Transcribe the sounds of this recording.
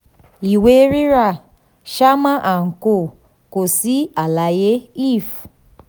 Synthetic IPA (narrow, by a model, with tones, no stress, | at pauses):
i˨we˦ɾi˦ɾa˦˨ | ʃa˦ma˦ʔa˨ŋ̩˨ko˦˨ | ko˨si˦a˨la˨je˦i˦˨f